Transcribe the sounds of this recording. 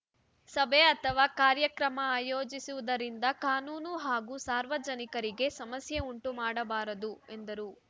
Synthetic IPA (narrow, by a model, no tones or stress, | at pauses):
sɐbʱeɐt̪ʰɐʋaːkaːɾjɐkɾɐmɐaːjoːd͡ʒisuʋud̪ɐɾind̪ɐkaːnuːnuɦaːɡuːsaːɾʋɐd͡ʒɐnikɐɾiɡe̞sɐmɐsjeuɳʈumaːɽɐbaːɾɐd̪ue̞nd̪ɐɾuː